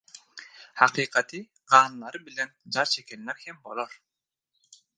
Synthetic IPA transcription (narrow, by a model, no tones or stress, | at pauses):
hɑqʰiːqʰɑt̪ʰɨ | qʰɑːnlˠɑɾɯbilɛnd͡ʒɑɾt͡ʃʰekʲʰɛnlːɛɾhɛmbo̰lˠoɾ